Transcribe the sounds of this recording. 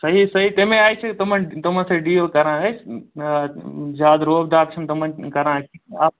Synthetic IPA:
sɐɦisɐɦit̪ɐ̃ːmẽaːet͡ʃʰet̪ɐm̤ãt̪ɐm̤ãseɖiːokɐɾãɦe | zaːd̪ɾoːbd̪aːkʃənt̪ɐm̤ãkɐɾãkʰiaː

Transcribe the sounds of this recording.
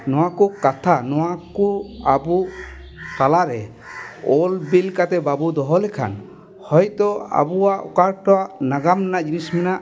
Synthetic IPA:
nɔwakukat̪ʰanɔwakuabu | t̪alaɾɛ | ɔlbilkat̪ɛbabud̪ɔɦɔlɛkʰa̰n | hɔjt̪ɔa̰buaʔɔ̰kaɾʈɔwaʔnaɡamɛnaʔd͡ʒinismɛnaʔ

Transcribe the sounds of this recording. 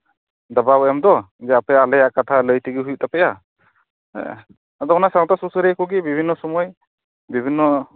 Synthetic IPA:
d̪ababɔjamd̪ɔ | d͡ʒɛapɛjaːlɛjaʔkat̪ʰaləjtiɡiɦujuʔtapɛja̰ | ad̪ɔɔnasawtasusɯɾɛkuɡibibʱinːɔsɔmɔj | bibʱinːɔ

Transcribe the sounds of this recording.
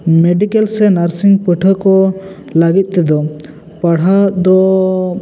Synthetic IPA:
meɖikɛlsɛnaɾsiŋpəʈʰəkɔ | laɡit̪̚ˀt̪ɛd̪ɔ | pəɽ̤ad̪ɔ

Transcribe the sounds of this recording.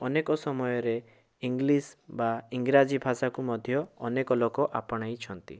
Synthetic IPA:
ɔnekɔsɔmɔjɔɾe | iŋɡlisbaiŋɡɾad͡ʒibʱasakumɔd̪ʱjɔːnekɔlokɔʔapɔɽ̃ajt͡ʃʰɔnt̪ḭ

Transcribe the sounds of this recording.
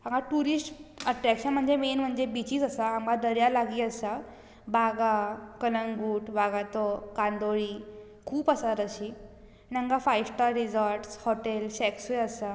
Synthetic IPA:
aŋɡaʈuɾisʈəʈɾɛkɕənm̤əɳd͡zemenm̤əɳd͡ʑebit͡ɕiːd͡zəsaaŋɡad̪əɾjalaɡiːəsa | baɡakələŋɡuːʈbaɡat̪ɔkand̪oɭiː | kʰuːpəsaɾəɕiː | nãŋɡafajsʈaɾid͡zəɾʈshɔʈelsɛksujəsa

